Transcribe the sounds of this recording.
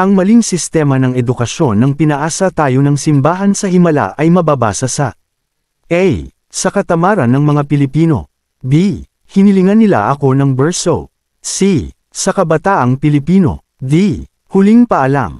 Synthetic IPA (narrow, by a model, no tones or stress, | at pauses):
ʔɐŋmɐliŋsɪst̪ɛːmɐnɐŋɛd̪ʊkɐʃjo̞nːɐŋpɪnɐʔaːsɐt̪aːjo̞nɐŋsɪmbaːɦɐnsɐhɪmɐla̰ʔɐjmɐbaba̰ːsɐsɐ | ʔɛj | sɐkɐt̪ɐmaːɾɐnːɐŋmɐŋapɪlɪpiːno̞̰ | bi | hɪnɪlɪŋanːɪla̰ʔɐko̞nɐŋbɛɹso̰ | si | sɐkɐbɐt̪aːʔɐŋpɪlɪpiːno̞̰ | b̪i | hʊliŋpɐʔɐla̰m